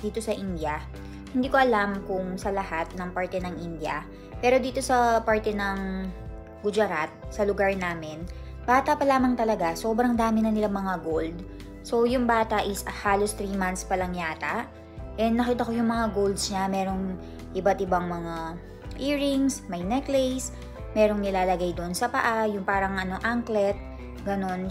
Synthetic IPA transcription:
d̪̥iːt̪o̞sɐʔind̪jɐ | hɪnd̪iːkoʔɐlamkʊŋsɐlɐhat̪̚nɐŋpaɹt̪ɛnɐŋʔɪnd̪jɐ̰ | pɛːɾo̞d̪iːt̪o̞sɐpaɹt̪ɛnɐŋ | ɡʊd͡ʒɐɾat̪̚sɐlʊɡaɹnaːmɪn | baːt̪ɐpɐlaːmɐŋt̪ɐlɐɡaso̞ːbɾɐŋd̪aːmɪnɐnɪlamɐŋaɡold̪̚ | so̞jʊŋbaːt̪ɐʔɪsɐhaːlo̞st̪ɾiːmant̪spɐlɐŋjaːt̪ɐʔ | ʔɛnd̪nːɐkiːt̪ɐko̞jʊŋmɐŋaɡowld̪sɲɐmɛːɾo̞ŋ | ʔɪbat̪ʔɪbaŋmɐŋa | ʔiːɹɪŋsmɐjnɛklɛjs | mɛːɾo̞ŋnɪlaːlɐɡajd̪oʔonsɐpɐʔajʊŋpaːɾɐŋʔɐnoʔaŋklɛt̪̚ | ɡɐno̞n

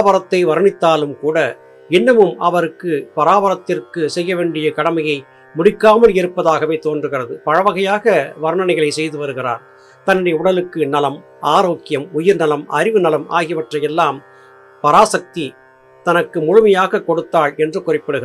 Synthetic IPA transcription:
bɐɾɐt̪ːɐɪʋɐɾɯnɪt̪ːaːlɯmkuːɽɐ | ɪnːɐmɯmɐʋɐɾɯkːɯpɐɾaːbɐɾɐt̪ːɪrkɯsɛjːɐʋeːɳɖɪjɐkɐɽɐmɐjɐɪ | mʊɽɪkːaːmɐlɪɾɯpːɐðaːɣɐʋeːt̪oːndrɯɣɪrɐðɯpɐɻɐʋɐɣɐjaːɣɐʋɐɾɯɳɐnɐɪɣɐɭɐɪsɛjðɯʋɐɾɯɣɪra̰ːɾ | t̪ɐnːɯɽɐjɐʊɽɐlɯkːɯnɐlɐm | ʔaːɾoːkːɪjɐmʊjɪɾnɐlɐmʔɐɾɪʋɯnɐlɐmʔa̰ːɣɪɐʋɐʈrɐjɛlːaːm | pɐɾaːsɐk̚t̪i | t̪ɐnɐkːɯmʊɻʊmɐjaːɣɐkːɔɽɯt̪ːaːɭɛndrɯkʊrɪpːɪɽɯɣɪ

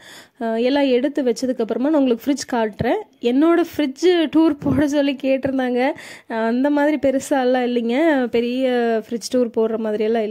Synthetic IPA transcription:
ɛlːãːɛɽɯt̪ːɯʋɐt͡ʃːɐðɯkːɐpːɯɾɐmaːnɐʊŋɡɐɭɯkːɯfɾɪd͡ʒkaːʈːɾẽːɛnːoːɽɐfɪɾɪd͡ʒʈuːɾpoːɽɐsɔlːikeːʈːɪɾɯnd̪aːŋɡɐɐnd̪ɐmaːðɪɾipɛɾɯsaːllãːɪlːɪŋɡɐpɛɾɪjɐfɪɾɪd͡ʒʈuːɾpoːɽɾɐmaːðɪɾiɛlːãːɪlː

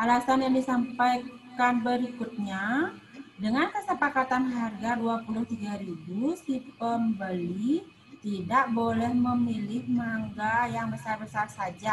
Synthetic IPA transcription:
ʔalasanjaŋdisampajkanbəɾikut̪̚ɲa | dəŋankəsəpakat̪anɦarɡaduapulʊht̪iɡaɾibusipəmbəli | t̪idaʔbolɛhməmilɪhmaŋɡajaŋbəsarbəsarsad͡ʒa

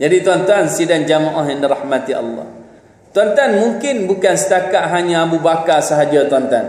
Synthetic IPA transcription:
d͡ʒadit̪uant̪uansidand͡ʒamaʔaɦjandiɾahmat̪iɑ̰lːɑ̰h | t̪uant̪anmuŋkɪnbukansə̥t̪akaʔɦaɲãːbubakasəɦad͡ʒat̪ant̪a̰n

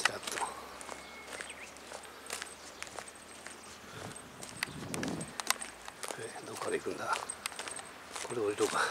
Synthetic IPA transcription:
st̪at̪ːo | ked̪okːaɾeikɯ̃nd̪a | koɾeoɾʲit̪oka

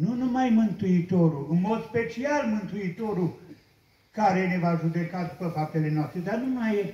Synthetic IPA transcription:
nunumajmɨnt̪uit̪o̞ɾuɨnmo̞d̪spe̞t͡ʃialmɨnt̪uit̪oɾu | kaɾenevaʒud̪ekad̪upəfap̚t̪ele̞noast̪ɾed̪arnumaj

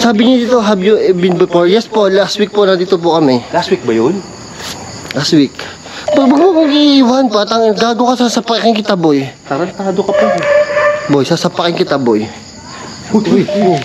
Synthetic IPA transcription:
saːbɪɲɐd̪iːt̪oɦɐbjʊbɪnbɪfoɹjɛspo̞last̪wik̚ponɐd̪iːt̪op̬ʊkɐmɛlast̪wik̚bɐjon | last̪wik | pɐɡ̚bɐɡmɐmɐɡiʔɪwanpoʔɐt̪ɐŋɡaːɡokɐsaːsɐpɐkɪkɪŋkɪt̪ɐbojt̪aɾɐnt̪aːd̪okɐpɐk | bojsasɐpɐkɪŋkɪt̪ɐboj

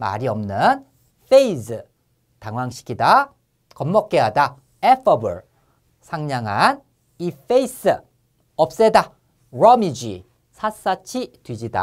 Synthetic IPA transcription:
ma̰ɾiʌmnɯn | fʰeisɯ | taŋwaŋɕʰi̥kʰida | kʌmːʌk̚k͈eɦada | epʰʌbɯɭ | sʰaŋɲaŋan | ifeis͈ɯ | ʌp̚s͈eda | ɾʌmid͡ʑi | sʰas͈at͡ɕʰitwid͡ʑida̰

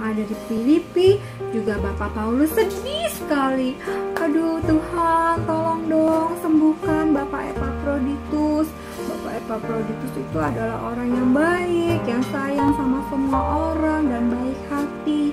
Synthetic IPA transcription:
ŋadadifilipi | d͡ʒuɡabapapaulʊsːədiisə̥kaliadut̪uhat̪olɔŋdɔŋsəmbuhkanbapaʔḛpapɾodit̪ʊs | bapaepapɾodit̪ʊsit̪uadala̰ɦo̰ɾaŋjaŋbaɪkjaŋsajaŋsamasəmuaʔoɾaŋdanbaɪk̚hat̪i

